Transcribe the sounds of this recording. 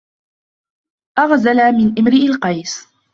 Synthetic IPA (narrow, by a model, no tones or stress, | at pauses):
ʔɑɣzalamɪnʔamɾɪlqɑjs